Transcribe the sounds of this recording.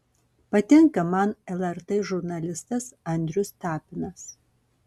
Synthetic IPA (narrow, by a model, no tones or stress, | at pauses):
pɐt̪ʲɛŋkɐmɐnɛlˠɛɾt̪ɛːʒʊɾnɐlʲɪst̪ɐsɐnʲd̪ʲɾʲʊst̪ɑːpʲɪnɐs